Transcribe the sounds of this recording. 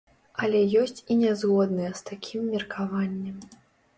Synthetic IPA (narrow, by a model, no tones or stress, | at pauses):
ɐlʲɛjɔsʲt͡sʲinʲɛzɣɔd̪nɨjɛst̪akʲʰimːʲirkʰavanʲːɛm